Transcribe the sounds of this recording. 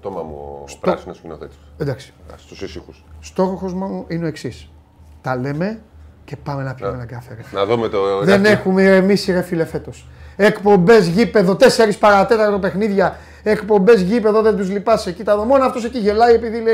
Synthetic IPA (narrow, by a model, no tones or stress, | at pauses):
t̪omɐ̰mṵsɾosnoscinoθet̪i̥end̪ɐksi̥st̪usisixusst̪o̞xoxozmɐmuʔineo̞eksis | t̪ɐle̞me̞ce̞pɐme̞nɐpçimenɐkɐθeɾɐnɐðumet̪oðenexumeɾemisiɾe̞file̞fe̞t̪o̞s | ekpo̞mbe̞zʝipe̞ðot̪e̞seɾispɐɾɐt̪e̞t̪ɐɾt̪ope̞xniðʝɐ | ekpo̞mbe̞zʝipe̞ðo̞ðe̞nd̪uzlipɐsecit̪ɐðomo̞nɐːft̪o̞seciʝe̞lɐie̞piðilei